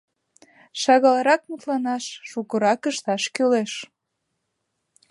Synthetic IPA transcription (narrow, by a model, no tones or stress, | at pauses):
ʃɑɣɑlɑɾɑk̚mut̪lɑnɑʃːukəɾɑkəʃt̪ɑʃkøleʃ